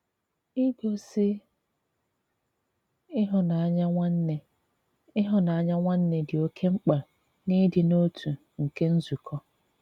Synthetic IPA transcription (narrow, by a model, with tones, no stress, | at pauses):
ɪ˦bo˦si˦ | ɪ˦ɦʊ˨na˨a˨˦ɲa˦e˦ | ɪ˦ɦʊ˨na˨a˨˦ɲa˦ŋʷa˦n̩˦ne˨dɪ˨o˦kʰe˦ŋ͡m̩˦k͡pa˨ | ni˦dɪ˨no˦tʰu˨ | ŋ̩˨ke˦n̩˦zu˨kʰɔ˦